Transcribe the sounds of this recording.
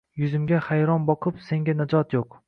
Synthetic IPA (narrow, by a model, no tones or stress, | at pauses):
jʊzɪmɡʲahajɾɒnbɒqʰɨpse̞ŋɡʲanad͡ʒɒt̪joq